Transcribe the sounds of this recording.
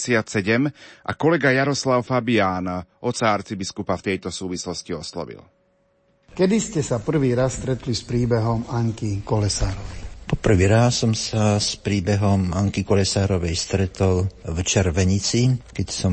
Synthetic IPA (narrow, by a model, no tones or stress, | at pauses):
sɪat̪sɛɟɛmʔa̰kɔlɛɡajaɾɔslaʊfabijaːnaʔɔt̪saaɾt͡sibiskupaft̪ɛjt̪ɔsuːʋislɔsciɔslɔ̰ʋḭl | kɛd̪iscɛsapr̩ʋiːɾasst̪ɾɛt̪lispɾiːbɛɦɔmaŋkikɔlɛsaːɾɔʋɛjpɔpr̩ʋiːɾasːɔmsaspɾiːbɛɦɔmaŋkikɔlɛsaːɾɔʋɛjst̪ɾɛt̪ɔlvt͡ʃɛɾʋɛɲit͡sikɛcsɔ